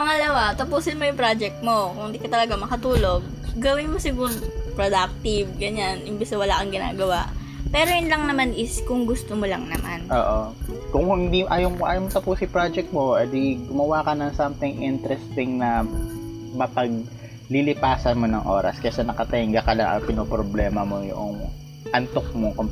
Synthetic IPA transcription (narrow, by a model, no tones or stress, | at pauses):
pɐŋɐlɐwat̪ɐpuːsɪnmojʊŋpɾad͡ʒɛk̚t̪̚mo̞kʊŋɪnd̪ikɐt̪ɐlɐɡamɐkɐt̪uːloɡ̚ː | ɐwɪnmosɪɡʊɾpɾod̪ak̚t̪ɪvɡɐɲanʔɪmbɪsɐwɐlaʔɐŋɡɪna̰ːɡɐwaʔ | pɛːɾojʊnlɐŋnɐmanʔɪskʊŋɡʊst̪omolɐ̰ŋnɐmanʔoːʔokʊŋɪnd̪iʔaːjomʔa̰ːjomot̪ɐpusɪpɾad͡ʒɛk̚t̪̚moʔɛd̪iɡʊmɐwaːkɐnɐŋsɐmt̪ɪŋʔɪnt̪ɾɛst̪ɪŋnɐ | mɐpɐɡ̚ | lɪlɪpaːsɐnmonɐŋʔo̰ːɾɐ̰skɐsɛnɐkɐt̪ɛɪŋɡɐkɐlɐʔɐ̰pɪnoːpɾoblɛːmɐmojʊ̰ʔoŋ | ʔɐnt̪ok̚moŋkom